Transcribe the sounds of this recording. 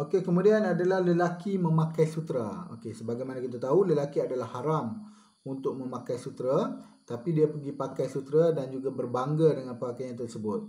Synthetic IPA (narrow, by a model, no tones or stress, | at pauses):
okekəmudianadalahləlakimə̃mãkajsut̪ɾa̰o̰kesəbaɡajmanakit̪̬at̪auləlakiadalahːaɾam | unt̪ʊk̚mə̃mãkajsut̪ɾa | t̪apidiapəɡipakajsut̪ɾadand͡ʒuɡabərbaŋɡadəŋãnpəakajãŋt̪ərsəbʊt̪̚